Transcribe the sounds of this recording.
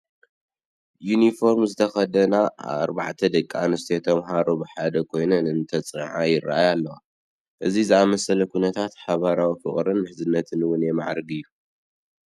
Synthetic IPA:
junifo̞ɾmzɨt̪ʰɐxɐd̪ɐna̰βa̰ɾbaʕt̪ʰɐd̪ɨkʼːanɨst̪ʰet̪ʰɐmɦaɾobɨħad̪ɐkʰo̞jnɐnɨnt̪ʰɐt͡sʼɨnʕajɪraʔajalːɐwa | ʔɨzizɨamɐsɐlɐkʰunɐt̪ʰat̪ħaβaɾawifɨχʼɾɨnmɨħzɨnːɐt̪ʰɨnwʊnjemaʕɾɡɨjːu

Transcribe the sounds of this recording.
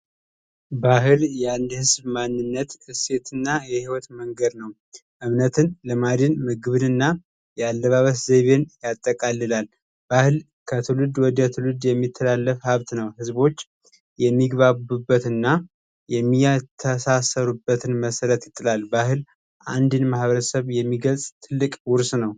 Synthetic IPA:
baɦɨljɛand̪hɨzbmanːɨnːət̪ɨse̞t̪ɨnːajɛhiwɔt̪məŋɡəd̪nəw | ʔɨmnət̪ʰɨnləmad̪inmɨɡɨβɨnɨnːa | jɛalːəβaβəszeβe̞njat̪ʼːəkʼalːɨlal | b̥ahɨl | kʰət̪ʰɨlɨd̪wɔd̪ət̪ʰɨlɨd̪jɛmːit̪ʰːəlalːəfhaβt̪nəwhɨzbo̞t͡ʃː | jɛmːiɡβabubːət̪ɨnːa | jɛmːiat̪ʰːəsasəɾubːət̪ʰɨnməsəɾət̪jɪt̪ʼːɨlalbahɨl | ʔand̪inmahβəɾəsəβjɛmːiɡəlsʼt̪ʰɨlːɨkʼwʊɾsnəw

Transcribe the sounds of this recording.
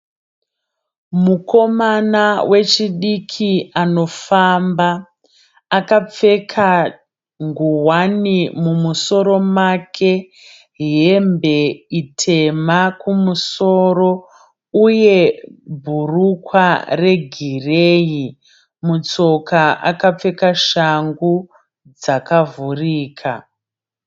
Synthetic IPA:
muko̞manawʔe̞t͡ʃiɗikʰiano̞fambaː | kap͡fe̞kʰa | ŋɡuwanimumuso̞ɾo̞makʰe̞ | ɦembe̞itʰe̞makumuso̞ro̞ | uje̞bʱurukware̞ɡʱireːji | mut͡so̞kaʔa̰kap͡fe̞kaʃaŋɡu | d͡zakavuriːkʰa

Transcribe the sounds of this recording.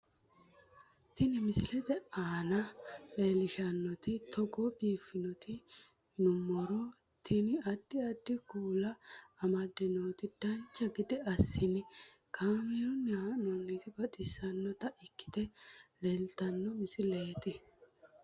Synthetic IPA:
t̪ɪnɪmɪsɪlɛt̪ɛaːnɐleːlɪʃɐnːɔt̪ɪt̪ɔɡobiːfːɪnɔt̪ɪ | nʊmɔɾɔ | t̪ʰɪnɪɐd̪ːɪɐd̪ːɪɡuːlɐːmɐd̪ːɛnoːt̪ɪd̪̥ɐnt͡ʃːɐɡɪd̪ɪɐsːɪnɪ | kʰaːmeɾɔnɛhɐnonːet̪ɪbɐd̪ɪsːɐnːɔt̪ɐʔɪkːɪ̥t̪ɛleːlt̪ɐnːɔmɪsɪleːt̪ɪ

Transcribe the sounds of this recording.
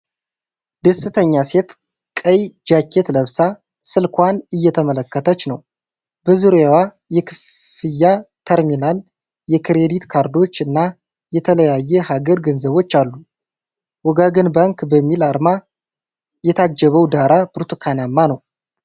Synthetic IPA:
d̪əsːɨt̪ʰəɲːase̞t̪ | kʼəjd͡ʒakʰːe̞t̪ləβsa | sɨlkʰʷanɨjːɛt̪ʰəmələkːət̪ʰət͡ʃːnəw | bəzuɾjawa | jɛkʰɨf | ɨjːat̪ʰəɾminal | jɛkʰɾe̞d̪it̪kʰaɾd̪o̞t͡ʃːɨnːa | jɛt̪ʰələjajːɛhaɡəɾɡənzəβo̞t͡ʃːalːu | wɔɡaɡənbaŋkbəmːilaɾma | jɛt̪ʰad͡ʒːəβəwd̪aɾabɾt̪ʰukʰanamːanəw

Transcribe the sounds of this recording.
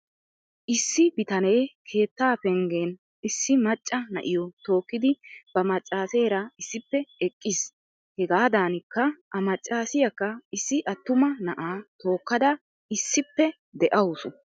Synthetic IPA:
ʔɪsːɪbɪt̪ɐneːkʰe̞ːt̪ːaːpɛŋɡeːn | ɪsːɪmɐt͡ʃʼːɐnɐ̰ʔɪjɔt̪o̞ːkːɪd̪ɪb̥ɐmɐt͡ʃʼːaːseːɾɐɪsːɪpːɛɛkʼːɪs | hɛɡaːd̪aːnɪkːɐʔɐmɐt͡ʃʼːaːsɪjɐkːɐɪsːɪʔɐt̪ːʊmɐnɐʔaːt̪o̞ːkːɐd̪ɐ | ɪsːɪpːɛ | d̪ɛʔɐwʊsʊ

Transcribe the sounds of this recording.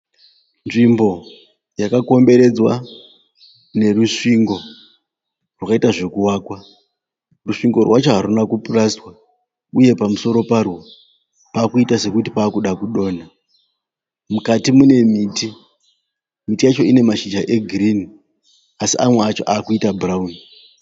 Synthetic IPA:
nʐimbo̞ | jakako̞mbe̞ɾe̞d͡zwa | ne̞ruʂiŋɡo̞ | rwakaitaʐe̞kuwaːkwa | ruʂiŋɡo̞rwat͡ʃo̞ɦaɾunakupuraswa | uje̞pamuso̞ɾo̞parwo | paːkuitase̞kutipaːkuɗakuɗo̞ːna | mukatimune̞miːti | mitijat͡ʃo̞ine̞maʃid͡ʒaʔe̞ɡʱirini | asiʔamweat͡ʃo̞ʔaːkuitabʱurauni

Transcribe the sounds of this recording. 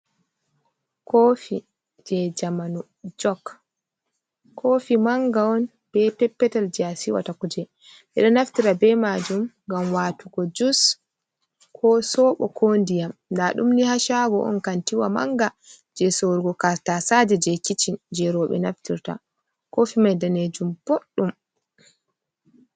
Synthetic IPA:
kofi | d͡ʒɛd͡ʒamanu | d͡ʒɔk | ofimaŋɡaɔn | b̥ɛpɛpːɛtald͡ʒɛasiwa̰takud͡ʒɛ | ɓɛ̰ɗɔnaftiɾabɛmad͡ʒumŋɡamwaːtuɡɔd͡ʒus | kʰɔsɔɓɔ̰kʰondijamdaɗumnihaʃaɡɔʔɔ̰nkantiwama̰ŋɡa | d͡ʒɛsoɾuɡɔkaɾtasad͡ʒɛd͡ʒɛkit͡ʃind͡ʒɛɾɔɓɛ̰naftiɾta̰ | kofimajdaned͡ʒumb̥oɗːum

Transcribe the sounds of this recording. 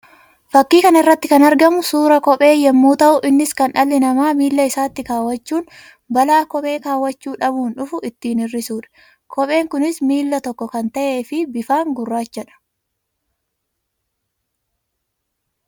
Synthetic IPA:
fɐkːiːkɐnɐɪrːɐt̪ːɪkɐnɐɾɡɐmʊsuːɾɐkɔpʼe̞ːjɛmːuːt̪ɐʔʊʔɪnːɪskɐnʔɐlːɪnɐmaːmiːlːɐɪsaːt̪ːɪkaːwːɐt͡ʃːuːn | bɐlaːkɔpʼe̞ːkaːwɐt͡ʃːuːᶑɐbuːnᶑʊfʊʔɪt̪ːiːnɪrːɪsuːᶑɐ̥ | kʰɔpʼe̞ːŋkʊnɪsmiːlːɐt̪ɔkːɔkɐnt̪ɐʔe̞ːfɪbɪfaːŋɡʊrːaːd͡ʒɛᶑɐ̥

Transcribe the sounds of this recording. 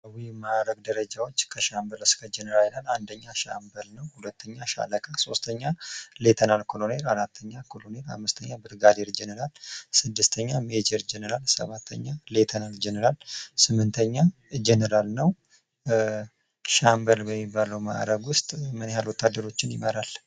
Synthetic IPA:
wijmaʔɾəɡd̪əɾəd͡ʒawo̞t͡ʃːkʰəʃambəlɨskʰəd͡ʒɛnəɾallaland̪əɲːaʃa̰mbəlnəwhulət̪ʰːəɲːaʃa̰ləkʰʼaso̞st̪ʰəɲːale̞t̪ʰənalkʰolone̞ɾaɾat̪ʰːəɲːakʰolone̞ɾa̰mːɨst̪ʰəɲːabɨɾɡad̪eɾd͡ʒɛnəɾalsɨd̪ːɨst̪ʰəɲːamed͡ʒəɾd͡ʒɛnəɾalsə̰βat̪ʰːə̰ɲːalet̪ʰənald͡ʒenəɾalsɨmːɨnt̪ʰəɲːa | d͡ʒɛnəɾalnəw | ʃambəlbəmːibːaləwma̰ʔɾəɡwʊst̪ʼmɨnjalwɔt̪ʰːad̪ːəɾo̞t͡ʃːɪnjɪməɾal

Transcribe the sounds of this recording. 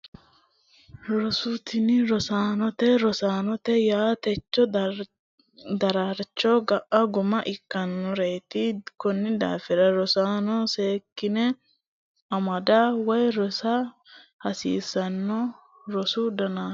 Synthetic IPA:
ɾɔsʊt̪ɪnɪɾɔsaːnɔt̪ɛɾɔsaːnɔt̪ɛjaːt̪ɛt͡ʃːɔ | d̪ɐɾaɾt͡ʃːɔɡɐʔɐɡʊmɐʔɪkːɐnːɔɾeːt̪ɪkɔnːɪd̪a̰ːfɛɾɐɾɔsaːnɔse̞ːkːɪnɛ | ɐmɐd̪awɔjɾɔsɐ | hɐsḭːsɐnːɔ | ɾɔsʊd̪ɐnaː

